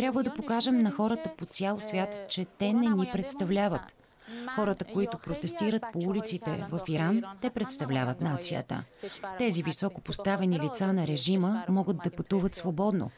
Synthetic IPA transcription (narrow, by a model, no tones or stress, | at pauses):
t̪ɾʲjabvəd̪ɐpokaʒɛmnɐxɔɾət̪əpot̪sʲjalˠsvʲjat̪t͡ʃɛt̪ɛnɛnipɾɛt̪st̪ɐvlʲavət̪ | xɔɾət̪əkoit̪ʊpɾot̪ɛst̪iɾət̪̚poulit̪sit̪ɛ̰vɐfiɾant̪ɛpɾɛt̪st̪ɐvlʲavət̪nat̪sijə̰t̪ə̰t̪ɛzivisɔkopost̪avɛnilit̪sanɐɾɛʒiməmɔɡət̪̚d̪ɐpɐt̪uvət̪svobɔd̪no̰